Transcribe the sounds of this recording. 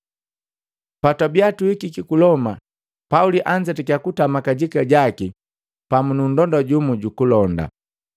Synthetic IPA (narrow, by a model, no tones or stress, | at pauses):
patabiatuikikikulɔma̰ | pauliʔaɲd͡ʒɛtɛkjakutamakaɟikaɟaki | pamunun̩dɔndɔɟumuɟukulɔnda̰